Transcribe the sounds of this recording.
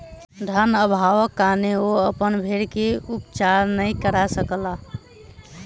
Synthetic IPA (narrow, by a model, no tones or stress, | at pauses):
d̪ʱənəbʱaʋəkːaneoəpənbʱeɽkeupt͡ʃaɾnəjkəɾasəkla